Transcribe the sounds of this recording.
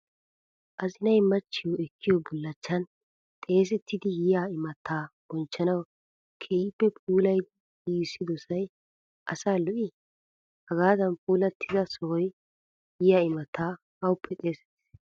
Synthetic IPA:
ʔɐzɪnɐjmɐt͡ʃːɪjɔɛkʰːɪjɔbʊlːɐt͡ʃːɐn | t̪ʼe̞ːs̬ɛt̪ːɪd̪ɪjɪjaːɪmɐt̪ʰːaːb̥ɔnt͡ʃːɐnɐw | kʰeiːpːɛpʰʼuːlɐj | iːsːɪd̪ɔsɐj | ʔɐsaːlɔʔɪ | hɐɡaːd̪ɐnpʼuːlɐt̪ʰːɪd̪ɐsɔwɔj | jɪjaːɪmɐt̪ʰːaː | hɐwʊpʰːɛt̪ʼe̞ːsɛ̥t̪ː

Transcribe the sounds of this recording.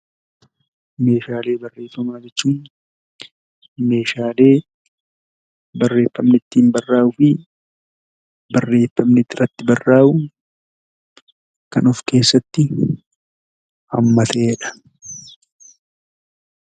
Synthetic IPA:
me̞ːʃaːle̞ːbɐrːe̞ːfːɐmaːd͡ʒɛt͡ʃːuːn | me̞ːʃaːle̞ː | bɐrːe̞ːfːɐmnɪt̪ːɪmbɐrːaːʔʊfɪ | bɐrːe̞ːfːɐmnɪt̪ːɪrɐt̪ːɪbɐrːaːʔʊ | kɐnʊfke̞ːsːɐt̪ːɪ | ɐmːɐt̪eːɛᶑɐ̥

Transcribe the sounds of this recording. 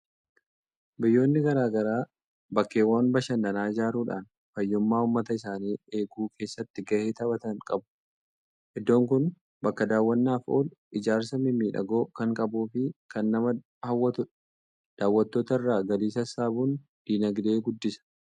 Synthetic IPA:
bɪjːo̞ːnːɪɡɐɾaːɡɐɾaː | bɐkːe̞ːwːaːnbɐʃɐnːɐnaːɪd͡ʒaːɾuːᶑa̰ːn | fɐjːʊmːaːʊmːɐt̪ɐɪsaːniːe̞ːɡuːkʰe̞ːsːɐt̪ːɪɡɐhe̞ːt̪ɐbɐt̪ɐŋkʼɐbʊ̥ | ʔɪd̪ːo̞ːŋkʊn | bɐkːɐd̪aːwːɐnːaːfo̞̰ːlɪd͡ʒaːɾsɐmɪmiːᶑɐ̰ɡo̞ːkɐŋkʼɐbuːfɪkʰɐnːɐmɐ | hɐwːɐt̪ʊᶑɐ̥ | d̪̥aːwːɐt̪ːo̞ːt̪ɐɪrːaːɡɐliːsɐsaːbuːn | d̪̥iːnɐɡd̪e̞ːɡʊd̪ːɪsɐ̥

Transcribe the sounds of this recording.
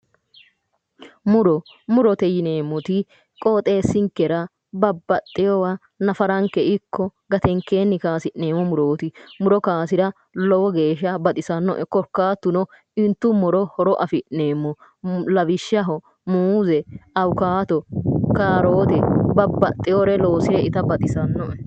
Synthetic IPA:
mʊɾɔ | mʊɾɔt̪ɛjɪneːmːɔt̪ɪ | kʼoːt̪ʼe̞ːsɪŋkːɛɾɐ | bɐbːɐt̪ʼːɪjɔwɐ | nɐfɐɾɐŋkːɛɪkʰːɔɡɐt̪ɛŋkeːnːɪkaːsɪʔne̞ːmːɔmʊɾoːt̪ɪmʊɾɔkaːsɪɾɐ | lɔwɔɡeːʃɐbɐt̪ʼɪsɐnːɔ̰ʔɛkɔɾkːaːt̪ːʊnɔ | ɪnt̪ːʊmɔɾɔhɔɾɔʔɐfɪʔneːmːɔ | lɐbɪʃːɐɦɔ | muːzɛɐwʊkaːt̪ɔkaːɾo̞ːt̪ɛbɐbːɐt̪ʼːɪjoɾɛlo̞ːsɪɾɛɪt̪ɐbɐt̪ʼɪsɐnːɔʔɛ

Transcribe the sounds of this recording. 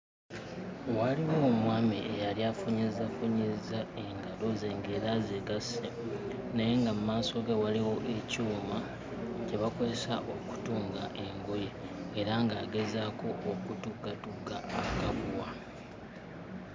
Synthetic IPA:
waliwo̞ːmwaːmḭejaljafuɲizafuɲizae̞ŋɡalo̞zeŋɡeɾazeɡase | naje̞ŋɡamumaːso̞ɡewaliwo̞ʔe̞cuːma | ceβako̞ze̞sa̰ʔo̞ku̥tuːŋɡa̰ʔe̞ŋɡojeːɾaŋɡaːɡe̞zaːkʰo̞ʔːkutukːatukːa̰ːkaβuwa

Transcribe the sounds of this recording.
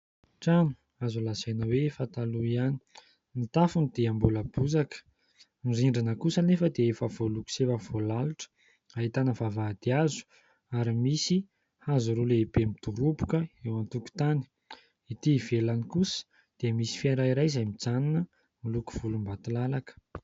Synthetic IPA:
ʈ͡ʂanu̥ | azulazajnəwefat̪aluiani̥ | nit̪afunid̪̥eambuləbuzakə̥ | miriɳɖ͡ʐinəkusənefəd̪eefəv̥oluku̥sevəv̥olaluʈ͡ʂə̥ | aɦit̪anəvavad̪̥iazu̥ | aɾimisi | hazuɾolepemit̪uɾupu̥kəewant̪uku̥t̪ani̥ | it̪iːvelanikusə̥ | d̪̥emisi̥fiaɾaiɾajzajmid͡zaninə | miluku̥v̥ulumbat̪ilalakə̥

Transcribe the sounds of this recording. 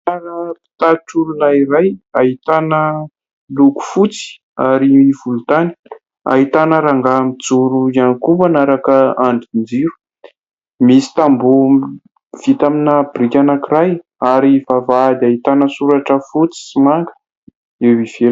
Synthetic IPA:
aɾapi̥t̪aʈ͡ʂululairajaɦit̪anə | luku̥fut͡si̥ | aɾiiv̥ulut̪ani̥ | a̰ɦit̪anəɾaŋɡamid͡zuɾuianikupanaɾakəaɳɖ͡ʐind͡ziɾu̥ | misi̥t̪ambu | v̥it̪aminəb̥rikʲanakiraj | aɾivavad̪aɦit̪anəsuɾaʈ͡ʂəfut͡si̥simaŋɡə̥ | ewiv̥el

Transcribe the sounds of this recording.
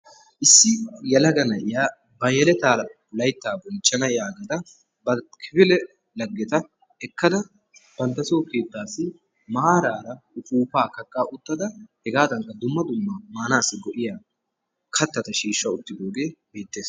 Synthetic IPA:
ʔɪsːɪjɐlɐɡɐnɐʔɪjaː | bɐjɛlɛt̪aːɾɐ | lɐjt̪ːaːbɔnt͡ʃʼːɐnɐjaːɡɐd̪ɐ | bɐkʰɪbɪlɛ | lɐɡːɛt̪ɐ | ɛkːɐd̪ɐ | b̥ɐnt̪ːɐsoːkeːt̪ːaːsɪ | maaːɾaːɾɐʊfʼuːpaːkɐkʼːaːʔʊt̪ːɐd̪ɐhɛɡaːd̪ɐŋkːɐd̪ʊmːɐd̪ʊmːɐmaːnaːsːɪɡɔʔɪjaː | kʰɐt̪ːɐt̪ɐʃiːʃːɐʊt̪ːɪd̪oːɡe̞ːbeːt̪ːe̞ːs

